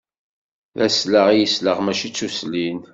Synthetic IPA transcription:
ðæsləʁjəsləʁmæʃit͡sːuslin

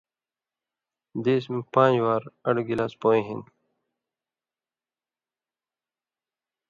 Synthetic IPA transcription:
d̪eːs̬mpãːd͡ʑwaːɾɐɽɡilaːspoːĩɦin

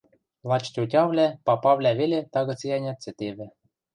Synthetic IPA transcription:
lˠɑt͡ɕt̪ʲutʲɑvlʲæpɑpɑvlʲæβelʲet̪ɑɣɤ̆t͡sjɑnʲɑt̪t͡sɘ̆t̪eβɘ̆

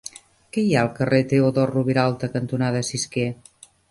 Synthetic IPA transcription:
kɛjaəlˠkəret̪eoðɔruβiɾalˠt̪əkənt̪unaðəsiske

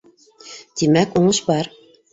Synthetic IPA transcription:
t̪imækuɴɤʃbɑɾ

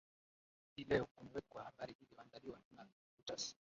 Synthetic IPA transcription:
hilɛɔkɔnɛwɛkuwahaɓaɾiʔiliwaŋdaliwaauna | kutas

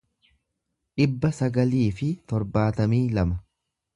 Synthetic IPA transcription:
ᶑɪbːɐsɐɡɐliːfɪt̪ɔɾbaːt̪ɐmiːlɐmɐ

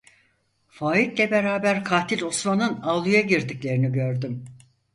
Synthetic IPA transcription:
faːit̪lʲɛbe̞ɾaːbæɾkʰaːt̪ʰilʲosmanɯnalˠujaɟiɾd̪iclʲe̞ɾiniɟø̞ɾd̪ym

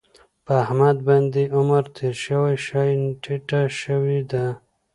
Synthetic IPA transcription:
pəːhmad̪̚band̪iʊmaɾt̪ʰeɾʃəwajʃajnʈʰiʈaʃəwid̪a

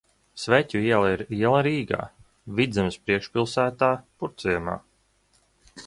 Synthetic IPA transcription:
svɛcʲuiɛlˠaiɾiɛlˠaɾiːɡa̰ː | vid̪zʲɛmspɾiɛkʃpilˠsæːt̪aːpuɾt̪sijɛma̰ː

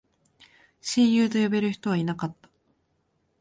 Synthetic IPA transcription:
ɕĩɰ̃jɯːt̪̬o̞jobe̞ɾɯ̟çi̥t̪o̞β̞ainakat̪ːḁ

